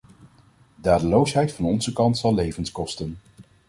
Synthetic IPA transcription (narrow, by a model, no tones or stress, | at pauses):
daːdəlowsɦɛjtfɑnɔnzəkɑntsɑlˠlejvənskɔstən